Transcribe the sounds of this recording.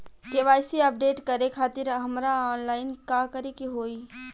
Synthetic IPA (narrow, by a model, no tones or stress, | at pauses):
keʋaːɪsiəp̚ɖeːʈkɐɾekʰaːt̪ɪɾɦɐmɾaɔːnlaːɪnkaːkəɾikiɦoːiː